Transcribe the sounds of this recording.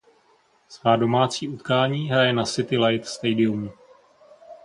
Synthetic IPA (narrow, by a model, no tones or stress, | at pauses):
svaːdo̞maːt͡siːut̪kaːɲiːɦɾajɛnasɪt̪ɪlajt̪st̪ɛjdɪumu